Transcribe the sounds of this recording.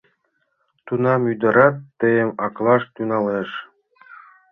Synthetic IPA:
t̪unɑmyd̪ɤ̆ɾɑt̪ːɘ̆jɘ̆mɑklˠɑʂt̪unɑleʂ

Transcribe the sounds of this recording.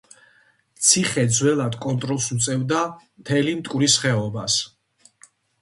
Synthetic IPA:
t̪sʰiχɛd̪zwɛlˠad̪kʼɔnt̪ʼɾɔlˠsmt̪sʼɛvd̪amt̪ʰɛlimt̪ʼkʼɾisχɛɔbas

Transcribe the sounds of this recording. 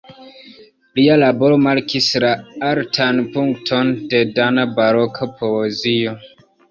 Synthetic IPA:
lialaboɾomaɾkʰislaaɾtʰanpuŋktʰondedanabaɾokʰapʰoezio

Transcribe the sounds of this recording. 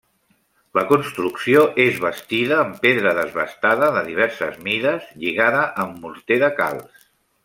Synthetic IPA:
ləkunst̪ɾuksioʔezβəst̪iðəːmpeðɾəðəzβəst̪aðəðəðiβ̞ɛɾsəzmiðəzʎiɣaðəʔəmːuɾt̪eðəka̰lˠs

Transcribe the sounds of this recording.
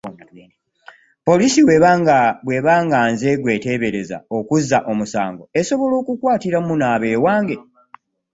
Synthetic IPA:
po̞lisiw | βwe̞βaːŋɡaːnze̞ɡwe̞ːte̞βe̞ɾe̞za̰o̞kuzːaʔo̞musa̰ːŋɡo̞e̞so̞βo̞lo̞ːkukwaːtiɾamunaːβe̞ːwaːŋɡe̞

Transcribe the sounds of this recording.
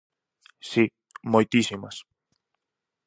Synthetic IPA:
si | mojt̪isimɐ̰s

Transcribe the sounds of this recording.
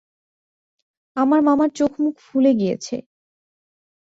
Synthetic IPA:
amaɾmamaɾt͡ɕokʰmukʰfuleɡijḛt͡ɕʰḛ

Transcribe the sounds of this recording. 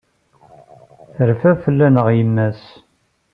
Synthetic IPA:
əɾfæfəlːænəʁjəmːæs

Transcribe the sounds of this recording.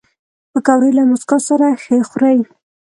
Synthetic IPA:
pəkawɾəjlamʊskosaɾaxəxɾaj

